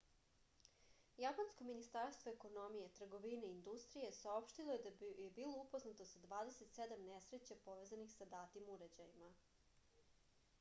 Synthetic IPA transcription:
japansko̞minist̪aɾst̪ʋo̞eko̞no̞mijet̪r̩ɡo̞ʋineind̪ust̪ɾije̞sao̞pʃt̪ilˠo̞jed̪ajebilˠo̞upo̞znat̪osad̪ʋaːd̪e̞se̞t̪sed̪amnesɾe̞t͡ɕapo̞ʋe̞ːzanixsad̪aːt̪imuɾed͡ʑajima

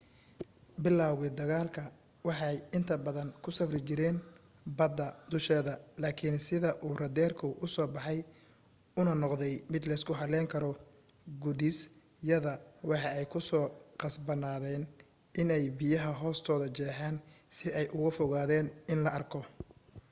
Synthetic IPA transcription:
bɪlaːwɣɪd̪ɐɣaːlkʰɐ | wɑħɑjɪnt̪ʰɐbɐðɐnkʰʊsɐbrɪt͡ʃɪɾɛːn | bɐd̪ːɐd̪ʊʃɛːðɐlaːkʰɪnsɪðɐʔuːrɐd̪ɛːrkʰʊʔʊsɔːbɑħɑj | ʊnɐnɔqðɛjmɪd̪lɛskʰʊɦɐlɛːŋkʰɐɾɔ | ɡʊðɪs | jɐðɐwɑħɑɛjkʰʊsɔːqɑsbɐnaːðɛːn | ɪnɛjbɪjɐɦɐɦɔːst̪ʰɔːðɐt͡ʃɛːħaːnsɪɛjʔʊɣʊfɔɣaːðɛːnɪnlɐɐrkʰɔ

